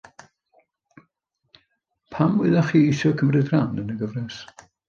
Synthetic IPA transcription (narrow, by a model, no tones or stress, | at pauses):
pʰamwɪ̰ðaχiːisjɔkʰəmrɨdrandənəɡəvrɛs